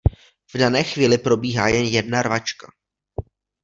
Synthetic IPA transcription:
vdanɛːxviːlɪpɾo̞biːɦaːjɛnjɛdnaɾvat͡ʃka

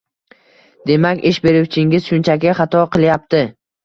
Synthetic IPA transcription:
d̪e̞makʲɪʃbe̞ɾuwt͡ʃʰɪŋɡʲɪz̥ʃʊnt͡ʃʰakʲɪχɑt̪ʰɒqʰɨlˠjap̚t̪ʰɪ

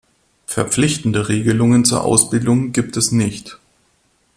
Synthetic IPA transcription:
fɛɐp͡flɪçtn̩dəʁeːɡəlʊŋənt͡suːɐʔa̰ʊsb̥ɪldʊŋɡiːp̚tʰɛsnɪçt

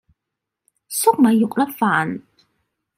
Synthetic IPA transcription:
sɨqʷʼmajɪqʷʼrɐfaːntʰʼ

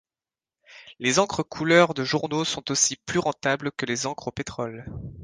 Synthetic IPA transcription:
lezɑ̃kχəkʰulœʁd̪əʒuʁnosɔ̃t̪osiplyʁɑ̃t̪ablkəlezɑ̃kχopet̪χɔl

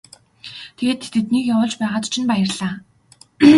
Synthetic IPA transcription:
t̪ʰeeːt̪ʰːet̪ɘ̆t̪niːkjawʊːɮt͡ɕpæːʁaːt̪t͡ɕʰinpæjə̆rɮaː

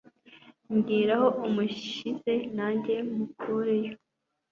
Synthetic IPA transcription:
ɲɡiːɾaho̞ʔumuʃize̞naɲɟe̞mukʰuɾejo

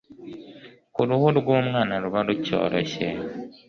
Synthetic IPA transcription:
kuɾuhuɾuɡwoːmwaːnaɾuβaluco̰ːɾʔo̰ɕe

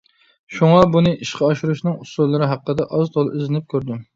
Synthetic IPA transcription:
ʃuŋɑbunɨʔiʃqʰɑɑʃuɾuʃnɨŋusulˠlˠːɨɾɪɦæqːəd̪ɛʔɑzt̪ʰolˠizɪnɪp̚kʲʰøɾd̪ɪ

